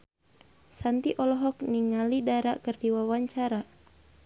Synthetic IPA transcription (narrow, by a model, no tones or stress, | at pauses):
sant̪iʔɔlɔɦɔkniŋalidaɾakɨrdiwawaɲt͡ʃaɾa